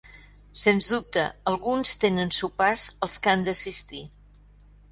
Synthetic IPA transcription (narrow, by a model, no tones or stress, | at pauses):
senzðup̚t̪əəlˠɣunst̪enənsupazəlˠskand̪əsist̪i